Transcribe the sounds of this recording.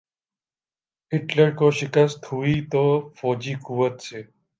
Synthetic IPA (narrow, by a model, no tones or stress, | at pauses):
ɦɪʈləɾkoːʃɪkəst̪ɦuiːt̪oːfoːd͡ʒiːkuːʋət̪seː